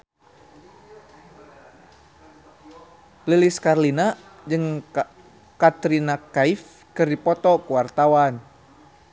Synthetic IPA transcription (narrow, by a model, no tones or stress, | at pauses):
liliskarlina | d͡ʒɨŋ | kat̪ɾinakaif | kɨrdipɔt̪ɔkuwart̪awan